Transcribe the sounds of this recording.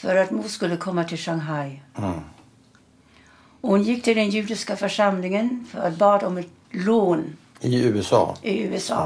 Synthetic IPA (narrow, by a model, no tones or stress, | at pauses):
fɔɾɑt̪muːskʉlːəkʰɔmːət̪ʰɪlʃɑŋɦɑɪ | ɔhʊnjɪk̚ːt̪ʰɪld̪ɛnjʉːd̪ɪskəfɔʂɑmlɪŋənfɔɾɑt̪̚bɑːd̪ɔmɛt̪ | loːn | ɪʉːɛsɑ̰ːʔɪʉːɛsɑ̰ː